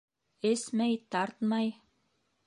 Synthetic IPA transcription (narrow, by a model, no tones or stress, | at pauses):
ɘsmæjt̪ɑɾt̪mɑj